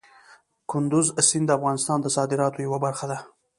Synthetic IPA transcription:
kʊnd̪ʊzsɪnd̪əafɣɑnɪst̪ɑnd̪əsɑd̪ɪɾɑt̪ojawabaɾxad̪a

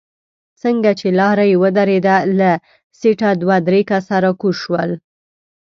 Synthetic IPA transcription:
səŋɡat͡ʃelɑɾajewəd̪aɾed̪ala | seʈad̪wad̪ɾekasaɾakuʃwəl

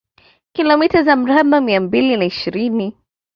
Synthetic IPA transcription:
kilɔmitazam̩ɾamamiambilinaiʃiɾini

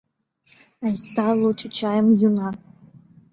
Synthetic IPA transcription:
ajst̪ʰalut͡ʃʰʼɪt͡ʃʰajəmjuna

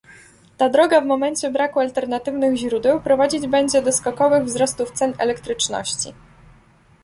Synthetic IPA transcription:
t̪ad̪ɾɔɡavmɔmɛɲt͡ɕɛbɾakualt̪ɛɾnat̪ɘvnɘɣʑɾud̪ɛwpɾɔvad͡ʑid͡ʑbɛɲd͡ʑɛd̪ɔskɔkɔvɘɣvzɾɔst̪uft̪sɛnɛ̰lɛkt̪ɾɘt͡ʂnɔ̰ɕt͡ɕḭ

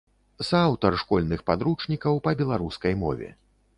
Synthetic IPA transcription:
sawt̪ɐrʂkɔlʲnɨxpad̪ɾut͡ʂnʲikɐwpɐbʲɛlˠaɾuskɐjmɔ̰vʲɛ̰

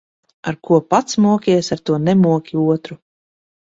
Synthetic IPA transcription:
aɾkuɔpat̪smuɔkʲiɛsaɾt̪uɔnɛmuɔkʲiuɔt̪ɾu

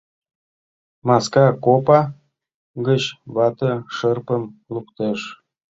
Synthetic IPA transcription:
mɑskɑkopɑ | ɡə̆ɕβɑt̪ɤ̆ʂɤrpə̆mlˠupt̪ɤ̆ʂ

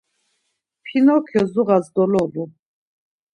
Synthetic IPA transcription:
pʰinɔkʰjɔzuʁazd̪ɔlɔlu

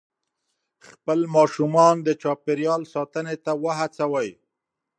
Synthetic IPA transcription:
xpəlmɑʃumɑnd̪ət͡ʃɑpeɾjɑlsɑt̪ənet̪awəɦat͡sawəj

